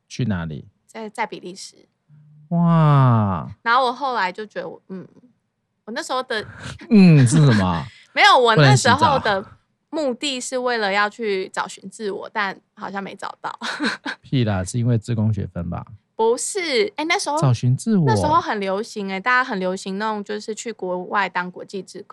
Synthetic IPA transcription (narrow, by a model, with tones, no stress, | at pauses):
t͡ɕʰy˥˩na˧˦lḭ˨˩ | t͡sa˥˧t͡sa˥˩ɪpi˨˩li˥˩ʂɻ̩˨˦ | wa˥˩ | na˧˥xo˥˩wɔ˨˩xo˥˩ʊla˧˦ɪt͡ɕjo˥˩ʊt͡ɕɛ˧˦d̪ə˧wn̩˥˩ | wɔ˨˩na˥˩ʂ̩˧˥xo˥˩ʊd̪ə˨n̩˥˩ʂ̬ɻ̩˥˩ə˨˩mɐ̰˨˩ | me˧˥ɪjo˨˩ʊwɔ˨˦n˧nə˧˥ʂ̩˧˥xo˥˩ʊd̪ə˨˩ | mu˥˧t̪i˥˧ʂɻ̩˥˧we˥˩ɪlə˩jɑ˥˧ʊt͡ɕʰy˥˩t͡sɑ˨˩ʊɕy˧˥nt͡sɹ̩˥˩wɔ̰˨˩t̪a˥˩n | xɑ˨˩ʊɕjɑ˥˩ŋme˧˥ɪt͡sɑ̰˨˩ʊt̪ɑ̰˥˩ʊpʰi˥˧˩lə˨˩ʂɻ̩˥˩i˦nwe˥˧ɪt͡sɹ̩˥˧kʊ˥ŋɕɥɛ̰˨˩fə˦nba̰˨˩pu˧˦ʂɻ̩˥˩e˥˧ɪna˥˩ʂɻ̩˧˥xo˥˨˧ɑ˨˩ʊɕy˧˦nt͡sɹ̩˥˨wna˥˩˨ʂ̩˩˧˥xo˥˩ʊxə˨˩nljo˧˥ʊɕi˧˥ŋe˧t̪a˥˩t͡ɕa˥xə˨˩nljo˧˥ʊɕi˧˥ŋn˩˨ŋt͡ɕjo˥˧ʊʂɻ̩˥˧t͡ɕʰy˥˩kwɔ˧˥wa˥˩ɪt̪ɑ˥ŋkwɔ˧˥t͡ɕi˥˧t͡sɹ̩˥˩ko˥˦